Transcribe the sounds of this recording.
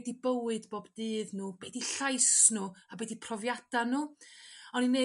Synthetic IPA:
dibəwɨdboːbdɨːðnuːbɛdiɬajsnuːabɛdipʰrɔvjad̥anuːɔninːe

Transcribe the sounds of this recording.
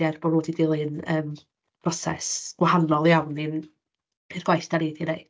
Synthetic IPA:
arb̥ɔɾoːdidɪlˠɨnəːm | prɔsɛ̰sɡ̥wahanɔlˠjawnɪn | pʰirɡwajsd̥anejdineɨ

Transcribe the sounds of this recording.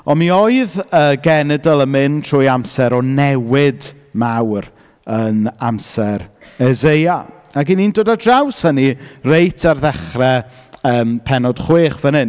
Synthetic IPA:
ɔmiɔjðəːɡɛnɛdəlˠəmɪntʰrʊːjamsɛɾɔnɛwɪd | mawr | ənamsɛɾ | ɛzeja | aɡiniːndoːdadrawshənirejtʰarðɛχrɛ | əːmpʰɛnɔd̥χweːχvənɪn

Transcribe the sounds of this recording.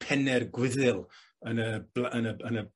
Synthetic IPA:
pʰɛnɛrɡwɪðɨlˠ | ənəblaənəənə

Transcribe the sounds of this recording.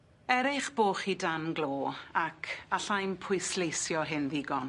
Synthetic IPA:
ɛɾɪχb̥oːχidanɡlˠoːakʰaɬajmpʰʊjslejsjɔɦɪnðɪɡɔn

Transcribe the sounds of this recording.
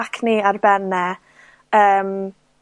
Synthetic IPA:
kʰniarbɛnɛ | əːm

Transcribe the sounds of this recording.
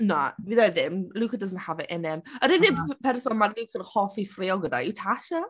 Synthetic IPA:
na̰viðaðɪmlˠukədəzənthavɛʔɛnɛməɾɪðɪpʰɛrsɔmaɾdikʰinhɔfifrɪɔlˠɡəda̰ɪwtʰaʃa

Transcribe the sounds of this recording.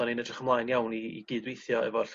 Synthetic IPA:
ɔninədrɪχəmlˠajnjawniḭɡɨːdwejθjɔɛ̰vɔɬ

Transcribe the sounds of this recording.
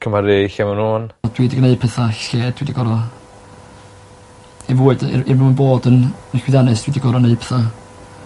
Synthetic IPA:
kʰəmaɾɪɬɛmanuːnd̥wiːdiɡəneɨpʰɛθaɬeːdd̥wiːdiɡɔɾɔ | ɛvuːɨd̰ɪvmənboːdənnɪxwɪðjanɨsd̥wiːdiɡɔɾɔneɨpʰɛθa

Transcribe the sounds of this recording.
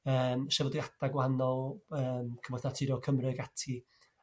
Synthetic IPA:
əːmʃɛvədiadaɡwanɔlˠəːmkʰəmɔdnatʰiɾɔkʰəmrɨɡatʰi

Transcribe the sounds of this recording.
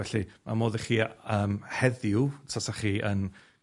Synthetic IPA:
ɛɬima̰moːðiχiːəːmhɛðjutʰasaχiːʔən

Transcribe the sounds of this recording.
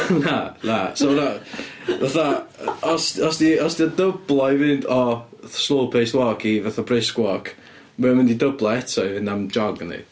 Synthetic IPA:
nanasɔnavaθaɔsdɔsdiɔsdiɔdəblˠɔivɪndɔslˠoːpʰejswɔkʰivaθabrɪskwɔk | mɛmɪndidəblˠɔɛtʰɔvɪndamd͡ʒɔɡnḭ

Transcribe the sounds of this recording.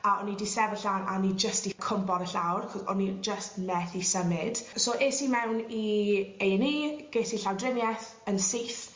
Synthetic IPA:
aɔnidisɛvəɬana̰nid͡ʒəstikʰʊmbɔɾəɬawrχɔzɔ̰nid͡ʒəstmɛθisəmɪd̥soːʔeːsimɛwnieɛniːɡ̥eːsiɬawdrɪmjɛθ | ənsiːθ

